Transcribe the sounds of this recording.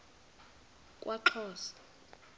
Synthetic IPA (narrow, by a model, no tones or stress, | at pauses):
kʼwʔaǃʰɔːsḁ